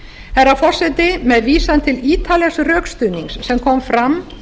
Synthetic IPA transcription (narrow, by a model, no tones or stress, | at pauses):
hɛɾafɔr̥sɛt̪ɪmɛðviːsant̪ʰɪliːt̪ʰaljasrœːkst̪ʏniŋsːɛmkʰɔmfɾam